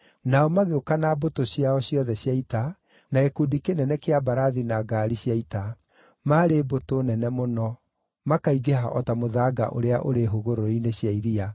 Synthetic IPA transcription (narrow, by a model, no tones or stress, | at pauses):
naɔmaɣeokanabotoɕjaɔɕjɔðɛɕjaita | naekudikenɛnɛkeabaɾaðinaɡaɾiɕjaita | maɾebotonɛnɛmonɔ | makaiɣeɦaʔɔtamoðaːɡa̰ʔo̰ɾeaʔoɾeɦoɣoɾoineɕjaiɾia